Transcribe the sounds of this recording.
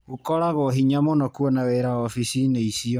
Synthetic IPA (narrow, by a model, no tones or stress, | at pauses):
ɣukɔɾaɣɔɦiɲamonɔkuɔnawɛɾaɔfisineisiɔ